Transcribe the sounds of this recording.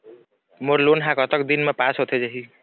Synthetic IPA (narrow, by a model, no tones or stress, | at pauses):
moɾlonɦãkʌt̪əkd̪inmepasɦot̪ʰed͡ʒeɦi